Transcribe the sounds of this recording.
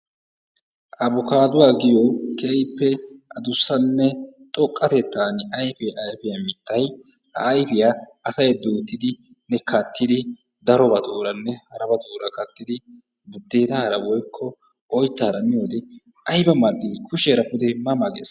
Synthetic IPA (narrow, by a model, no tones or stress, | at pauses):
ʔɐbʊkaːd̪ʊwaːɡɪjɔkɛjpːɛʔɐd̪ʊsːɐnːɛt̪ʼɔkʼːɐt̪ɛt̪ːaːnɐjfɛʔɐjfɪjamɪt̪ːɐj | hɐ̰ːjfɪjaʔɐsɐjɛd̪uːt̪ːɪd̪ɪ | nɛkɐt̪ːɪd̪ɪ | d̪ɐɾɔbɐt̪ʼuːɾɐnːɛhɐɾɐbɐt̪uːɾɐkɐt̪ːɪd̪ɪ | bʊd̪ːeːt̪ɐhɐɾɐwɔjkʰːɔ | ɔjt̪ːaːɾɐmɪjoːd̪ɛ | ʔɐjbɐmɐɗːɪkʰʊʃɛːɾɐpːʊd̪ɛmɐmaɡḛːs